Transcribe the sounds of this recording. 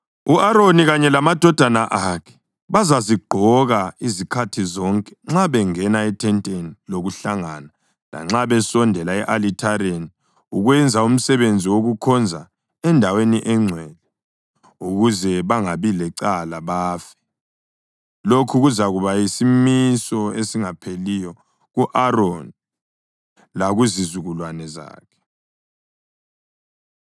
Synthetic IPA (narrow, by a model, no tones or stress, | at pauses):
uʔaɾoniɣaɲɛlamad̥ʱɔd̥ʱanaʔakʰɛ̥ | βazaziɡ͡ǃʱɔɣaizikʰatʰizɔŋkʼɛ̥ŋ͡ǁaβɛŋɛnaɛtʰɛntʼeniloɣuɬaŋana | la̰ŋ͡ǁaβɛsɔndʱɛlaɛʔalitʰaɾeni | uɣwɛnd͡zʱaum̩sɛβend͡zʱiwoɣukʰɔnd͡zʱa̰ | ɛndʱaweniʔɛŋ͡ǀʱwɛːlɛ | uɣuzɛβaŋaβilɛǀalaβaːfɛ̥ | lokʰuɣuzaɣuβajisimisɔesiŋapʰelijɔ | ɣuʔaɾon | laɣuzizuɣulwanɛza̰ːkʰɛ̥